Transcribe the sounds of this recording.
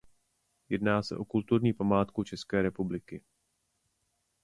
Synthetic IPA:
jɛdnaːsɛ̰ʔo̞kult̪uɾɲiːpamaːt̪kut͡ʃɛskɛːɾɛpublɪkɪ

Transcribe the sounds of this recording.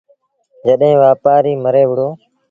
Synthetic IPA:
d͡ʒəɗɦẽːʋaːpaːɾiːməɾeːʋɪɽoː

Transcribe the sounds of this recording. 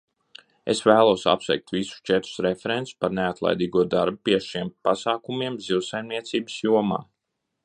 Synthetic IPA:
ḛsvæːlˠuɔsa̰psvʲɛ̰k̚t̪visu̥st͡ʃɛt̪ɾu̥sɾefeɾent̪spaɾneat̪lˠa̰jd̪iːɡuɔd̪aɾbupiɛʃiɛmpasaːkumiɛmziwˠsajmniɛt̪siːbəsjuɔma̰ː

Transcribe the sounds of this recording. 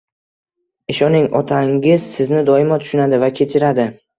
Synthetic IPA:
ɪʃɒnɪŋɒt̪ʰaŋɪz̥sɪznɪd̪ɒɪmɒt̪ʰʊ̥ʃʊnad̪ɪvakʲʰe̞t͡ʃʰɪɾad̪ɪ

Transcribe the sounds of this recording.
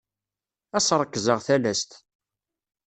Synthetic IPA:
æsɾˤəkːəzəʁθælæst̪

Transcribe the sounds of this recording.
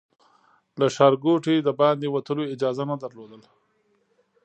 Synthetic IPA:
laʃɑːɾɡoʈed̪əbɑnd̪ewat̪əloɪd͡ʒɑːzanad̪aɾlod̪əl

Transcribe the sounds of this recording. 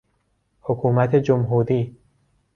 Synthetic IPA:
hokʰuːmæt̪ʰe̞d͡ʒomɦuːɾiː

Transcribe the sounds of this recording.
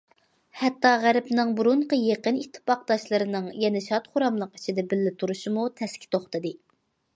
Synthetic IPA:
hɛt̪ːɑʁæɾɪpnɨŋbuɾuɴqəjeqənit̪ʰːɨ̥pɑq̚d̪̥ɑʃlˠɨɾɨnɨŋjɛnɛʃɑt̪χuɾɑmlˠəqi̥t͡ʃʰid̪ɛbɪlːɪt̪ʰuɾuʃumut̪ʰɛskʲʰi̥t̪ʰoχt̪ɨd̪ɨ

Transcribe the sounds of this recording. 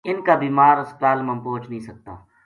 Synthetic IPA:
ɪnkabiːmaːɾɪsplaːlmɐ̃mpoːt͡ʃnəɦĩsɐk̚t̪a̰ː

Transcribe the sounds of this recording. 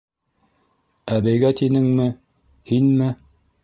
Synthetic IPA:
æβɘ̆jɡæt̪inɘŋmɘ | hinmɘ

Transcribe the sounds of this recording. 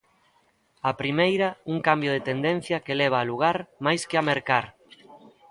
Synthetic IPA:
apɾimejɾɐuŋkambjoðet̪end̪en̟θjɐkelɛβ̞aːluɣ̞aɾmajskɪameɾkaɾ

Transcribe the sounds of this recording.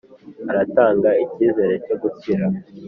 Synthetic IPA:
aɾataːŋɡaiciːze̞ɾe̞coɡuciɾa

